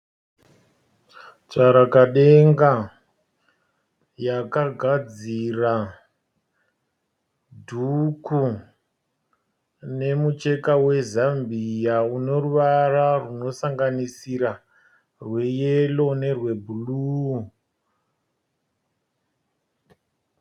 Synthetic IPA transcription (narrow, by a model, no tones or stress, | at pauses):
t͡saɾakaɗe̞ŋɡa | jakaɡʱad͡zira | dʱuku | ne̞mut͡ʃe̞kawe̞zambijauno̞ruʋararuno̞saŋɡanisiɾa | rwe̞jelo̞ne̞rwe̞bʱuluː